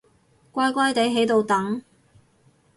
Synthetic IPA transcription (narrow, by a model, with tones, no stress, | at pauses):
kʷaː˥jkʷaː˥jt̪e˨˥jɦe˨˥jt̪o˨˧wt̪ɐ˨˥ŋ